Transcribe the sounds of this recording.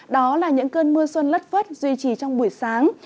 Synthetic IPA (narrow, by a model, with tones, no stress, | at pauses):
ɗɔ˨˦laː˨˩ɲɨ̰˧˥ŋkəː˧nmɨ˧əswə˧nlə˦˥t̚fə˦˥t̚zwi˧t͡ɕi˧˨˩t͡ɕɔ˧wŋ͡mɓu˧˩əjsaː˨˦ŋ